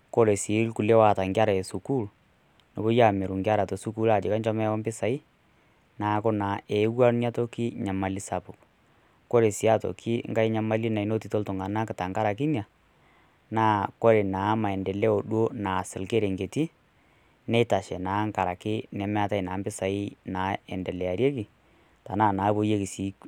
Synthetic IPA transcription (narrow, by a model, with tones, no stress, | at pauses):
ko˦ɾe˨si˨˦lku˨le˦wa˨ta˨ŋɡja˦ɾa˨e˨su˨ku˦l | no˨bo˦ja˦˨mɛ˨ɾu˨ŋɡja˦ɾa˨to˨su˦ku˦la˨d͡ʒɪ˨ka˦ɲd͡ʒɔ˦mɛ˦ɔ˦mbɪ˦sa˨i˦ | na˨˦kɔ˦na˨ɛ˨˦wa˦nja˦tɔ˦ki˦ɲa˨ma˨li˦sa˨pu˨ | ko˦ɾe˨si˨˦a˦˨tɔ̰˨kʰi˦ŋɡa˦i˦ɲa˦ma˦li˦na˨i˨˦no˦ti˨to˦ltʊ˨ŋa˨na˦kɪ˨ta˨ŋɡa˦ɾa˨ki˦nja˨ | naː˦ko˦ɾe˨naː˨˦ma˨ɛ˨ndɛ˨lɛ˦o˨ɗwo˦na˨sɪ˨lke˦ɾe˨ŋɡe˨ti˦ | nɛ˦ta˨ʃɛ˨naː˨˦ŋka˨ɾa˨kɪ˦nɛ˨mɛ˦a˦ta˦˨naː˨˦mbɪ˦sa˨i˦naː˨˦ɛ˨ndɛ˨lɛ˨a˨ɾje˦kɪ˨ | ta˨naː˦˨naː˨˦bo˦je˦ki˨siː˨˦